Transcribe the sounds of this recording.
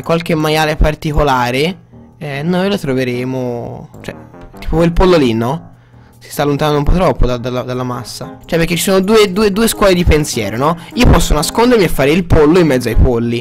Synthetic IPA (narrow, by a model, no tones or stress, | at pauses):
kːwalk̟emːajaːlepart̪ikolaːɾeɛnojlot̪ɾoveɾeːmot͡ʃoɛ̰t̪ːiːpoilpolːolinːɔ | sist̪aːlːont̪anand̪oumpɔt̪ːɾɔpːod̪ad̪alad̪alːamasːat͡ʃoɛpːeɾket͡ʃːisoːnod̪uːed̪uːed̪uːeskwɔːled̪ipensjɛ̰ːɾonɔiːopɔsːonaskond̪eɾmiefːaːɾeilpolːoimːɛd̪zoajpolːi